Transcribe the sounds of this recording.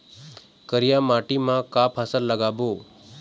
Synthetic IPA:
kəɾijamaʈimãkapʰasəlləɡabo

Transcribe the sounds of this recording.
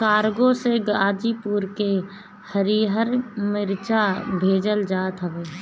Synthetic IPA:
kaːɾɡõseɡaːd͡ʒipuɾke | həɾiɦəɾmɪɾt͡ʃabʱeːd͡ʒəld͡ʒaːt̪ɦəʋeː

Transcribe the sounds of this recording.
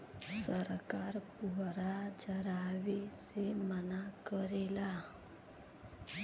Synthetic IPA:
səɾkaːɾpuɦɾad͡ʒəɾaːwesemənakəɾela

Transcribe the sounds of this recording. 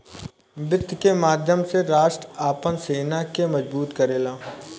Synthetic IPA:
bɪt̪ːkemaːd̪ʱjəmseɾaːʃʈɾaːpənseːnakemɐzbuːt̪kɐɾeːlaː

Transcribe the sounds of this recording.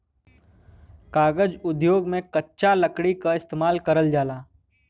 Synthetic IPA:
kaːɡəd͡ʒʊd̪joːɡmẽkətːʃaləkɽikaɪst̪eːmaːlkəɾəld͡ʒaːlaː

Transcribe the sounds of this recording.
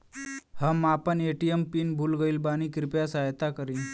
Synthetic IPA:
həmapəɳeʈijempiːnbʱuːlɡəiːlbañiːkɾipjasajt̪akəɾi

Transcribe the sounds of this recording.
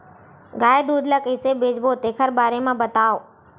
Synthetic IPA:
ɡaːjd̪uːd̪ʱləkɦɪsebed͡ʒbot̪eːkʰəɾbaːɾemãbət̪aʋo

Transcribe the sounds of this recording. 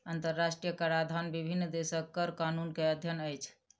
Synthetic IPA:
ənt̪əɾːasʈɾijəkaɾad̪ʱanbibʱinːd̪esəkːəɾkanunkeəd̪ʱjənəjt͡ʃʰ

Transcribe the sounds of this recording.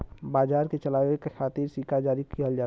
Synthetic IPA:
baːd͡ʒaːɾket͡ʃəlaːekekʰaːt̪ɪɾsikad͡ʒaːɾikiɦəld͡ʒaː

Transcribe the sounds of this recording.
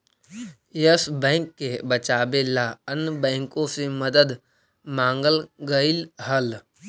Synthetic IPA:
jəsbɛ̃ːŋkːebət͡ʃaːbelaənbɛ̃ːŋkõseməd̪əd̪ | mãːŋɡəlɡəilɦəl

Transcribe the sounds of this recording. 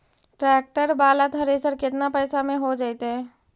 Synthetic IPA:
ʈɾɛːk̚ʈəɾbaːlat̪ɦɐɾesəɾkɪt̪napɛːsamẽɦod͡ʒaːit̪eɦɛː

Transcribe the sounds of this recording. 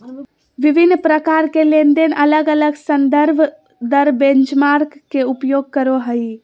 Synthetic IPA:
ʋibʱinːpɾəkaɾkelend̪enələɡələɡsənd̪əɾbʱ | d̪əɾbẽnt͡ʃmaɾkːeupjoɡ̚kəɾoɦəi

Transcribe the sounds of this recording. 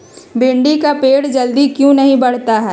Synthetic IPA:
bɪ̃ɳɖikapeːɽd͡ʒɐld̪ikjũnɐɦĩbɐɽ̤t̪aɦɛː

